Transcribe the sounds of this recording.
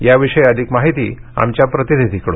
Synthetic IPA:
jaʋiʂəjəd̪ʱikmaɦit̪ḭːa̰mt͡ɕjapɾət̪inid̪ʱikɽo

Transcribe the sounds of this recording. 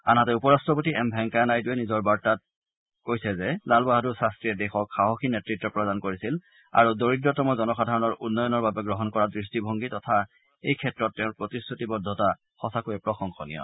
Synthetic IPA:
a̰natɛupɔɹastɔp̬otiʔɛmbʱɛŋkaanajtuɛnizɔɹbaɹtat̚ | kojsɛzɛlalbaɦaduɹsastɹiɛdɛxɔkxaɦoxinɛtɹitːɹɔpɹɔdankoɹisil | a̰ɹudoɹitɹɔtɔmɔzɔnɔxadʱaɹɔnɔɹʔunːɔjɔnɔɹbabɛɡɹɔɦɔnkɔɹadɹistibʱoŋɡitɔtʰa | ejkʰɛtɹɔtːɛʊ̃ɹpɹotisːutibɔdʱɔta | xɔsakojɛpɹɔxɔŋxɔnḭjɔ̰

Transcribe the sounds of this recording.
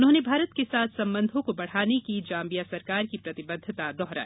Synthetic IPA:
ʊnɦõːnebʱaːɾət̪kesaːt̪ʰsɐ̃mbə̃nd̪ʱõkobɐɽ̤aːnekid͡ʒãːmbijasɐɾkaːɾkipɾɐt̪ɪbəd̪ʱːɪt̪ad̪ɔɦɾa̰ː

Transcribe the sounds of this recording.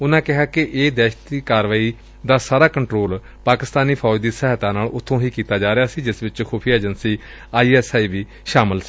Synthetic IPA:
ʊnãːkɪɦaːkɪʔeːd̪ɛːʃt̪iːkaːɾʋaːiː | d̪aːsaːɾaːkəɳʈɾoːl | paːkɪst̪aːniːpʰɔːd͡ʒd̪iːsɛɦt̪ãːnaːlʊt̪ʰːõːɦiːkiːt̪aːd͡ʒaːɾeaːsiːd͡ʒɪsʋɪt͡ʃkʰoːpʰijeːd͡ʒənsiː | aːiːɛːsaːiːʋiː | ʃaːmɪlsː

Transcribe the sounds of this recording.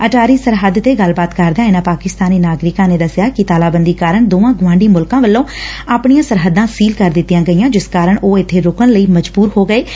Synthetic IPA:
əʈaːɾiːsəɾɦəd̪t̪eːɡəlbaːt̪kəɾd̪ejãːɪnãːpaːkɪst̪aːniːnaːɡɾɪkãːneːd̪əsɪjaːkɪt̪aːlaːbənd̪iːkaːɾəɳd̪oːãːɡʊʋãːɳɖiːmʊlkãːʋəlːõːaːpɳijãːsəɾɦəd̪ãːsiːlkəɾd̪ɪt̪ːijãːɡəiːãːd͡ʒɪskaːɾəɳʔoːɪt̪ʰːeːɾokəɳləiːməd͡ʒbuːɾɦoːɡəeː

